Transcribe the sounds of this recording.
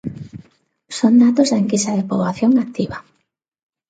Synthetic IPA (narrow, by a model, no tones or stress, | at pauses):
sond̪at̪ozðaeŋkisaðɪpoβlaθjoŋak̚t̪iβa